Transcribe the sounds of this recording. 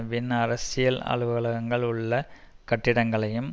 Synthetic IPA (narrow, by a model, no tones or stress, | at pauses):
ʋɪnɐɾɐsɪjɐlɐ̰ɭɯʋɐɭɐɣɐŋɡɐɭʊɭːɐ | kɐʈːɪɽɐŋɡɐɭɐjɯm